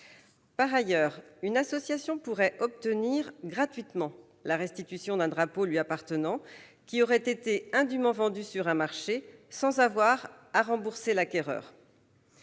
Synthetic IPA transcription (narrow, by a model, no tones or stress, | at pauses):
paʁajœːʁynasɔsjasjɔ̃puʁɛʔɔp̚t̪əniʁɡʁat̪ɥit̪mɑ̃ | laʁɛst̪it̪ysjɔ̃d̪ɛ̃d̪ʁapolɥiapaʁt̪ənɑ̃ | kʲiɔʁɛt̪et̪eɛ̃d̪ymɑ̃vɑ̃d̪ysyʁɛ̃maʁʃesɑ̃zavwaʁ | aʁɑ̃buʁselakʲɛʁœ̰ːʁ